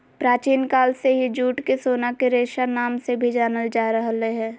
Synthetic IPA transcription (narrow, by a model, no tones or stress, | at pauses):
pɾaːt͡ʃiːnkaːlseɦid͡ʒuːʈkesoːnakeɾeːʃanaːmsebʱid͡ʒaːnəld͡ʒaːɾəɦleɦɛ̃ː